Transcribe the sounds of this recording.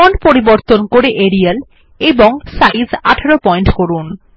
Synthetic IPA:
onpoɾiboɾt̪onkoɾeʔeɾial | eboŋsajzaʈʰaɾopɔjɳʈkoɾun

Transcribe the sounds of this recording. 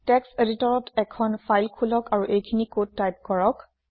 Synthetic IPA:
tɛkseditɔɹɔtɛkʰɔnpʰajlkʰulɔkaɹuʔejkʰinikod̚tajp̚kɔɹɔk

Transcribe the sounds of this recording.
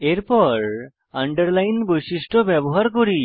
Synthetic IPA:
eɾpɔɾ | aɳɖəɾlainbɔjsiʂʈʰɔbjɛbɔɦaɾkɔɾi

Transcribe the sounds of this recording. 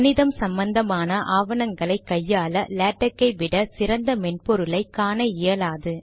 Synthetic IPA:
nɪðɐmsɐmbɐnd̪ɐmaːnɐʔaːʋɐnɐŋɡɐɭɐɪkːɐjːaːlɐleːʈːɐkːɐɪʋɪɽɐsɪɾɐnd̪ɐmɛɳpɔɾɯlɐɪkːaːnɐɪjɐlaːðɯ

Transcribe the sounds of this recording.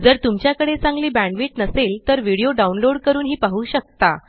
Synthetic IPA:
d͡zəɾt̪umt͡ɕjakəɽet͡sãŋɡliːbæ̃ɳɖʋiʈnəselt̪əɾʋiɽijoɖaunloɽkəɾuːnɦiːpaɦuːɕək̚t̪a

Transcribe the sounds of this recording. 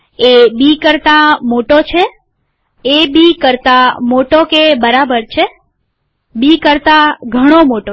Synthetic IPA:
ebikəɾt̪amoʈot͡ʃʰeː | bikəɾt̪amoʈokebəɾabəɾt͡ʃʰe | bikəɾt̪aɡʱəɽ̃omoʈo

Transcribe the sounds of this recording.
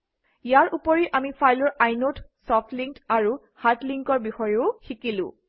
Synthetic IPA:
ijaɹʔupɔɹiʔamipʰajlɔɹajnotsɔftʰliŋktaɹu | hatliŋkɔɹbixɔjeʊxikilʊ̰̃

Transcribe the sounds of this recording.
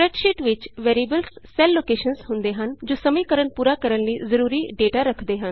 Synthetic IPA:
ɾəʈʃiːʈʋɪt͡ʃʋeːɾiːbəlssɛːlːoːkeːʃənshʊ̃nd̪eːɦənd͡ʒoːsəmẽːkəɾənpuːɾaːkəɾənliːzəɾuːɾiːɖeːʈaːɾəkʰd̪eːɦən

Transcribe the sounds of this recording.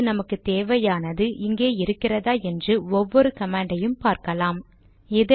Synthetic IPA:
ɯnɐmɐkːɯt̪eːʋɐjaːnɐðɯʔɪŋɡeːɪɾɯkːɪrɐðaːɛndrɯɔʋːɔɾɯkɐmaːɳɖɐjɯmpaːɾkɐlaːm | ɛð

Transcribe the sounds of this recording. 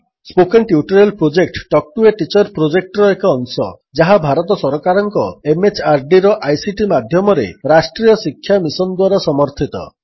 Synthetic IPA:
spokenʈiuʈɔɾelpɾod͡ʒek̚ʈʈɔk̚ʈueʈit͡ʃɔɾpɾod͡ʒek̚ʈɔɾɔekɔːnsɔ̰ | d͡ʒaɦabʱaɾɔt̪ɔsɔɾɔkaɾɔŋkɔemet͡ʃaɾɖiɾɔʔajsiʈimad̪ʱjɔmɔɾḛɾasʈɾijɔsikʰːjamisɔnd̪waɾɔsɔmɔɾt̪ʰit̪ɔ̰

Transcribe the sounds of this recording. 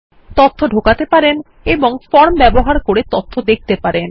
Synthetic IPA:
t̪ot̪ʰːoɖʱokat̪epaɾen | eboŋfɔɾmbɛboɦaɾkoɾet̪ot̪ʰːod̪ek̚ʰt̪epaɾen

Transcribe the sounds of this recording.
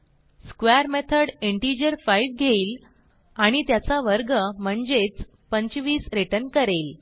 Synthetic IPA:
skʋeəɾmet̪ʰəɽeɳʈid͡ʑəɾfaiʋɡʱeiːl | aɽ̃it̪jat͡saʋəɾɡəm̤əɳd͡zet͡s | pəɲt͡ɕʋiːsɾeʈənkəɾel

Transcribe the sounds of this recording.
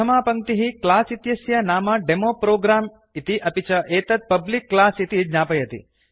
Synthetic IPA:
ɐmaːpɐŋt̪iɦiklaːsit̪jɐsjɐnaːmɐɖemoːpɾoːɡɾaːm | it̪iʔɐpit͡ʃɐʔeːt̪ɐt̪̚pɐblikːlaːsit̪id͡ʒɲaːpɐjɐt̪ḭ

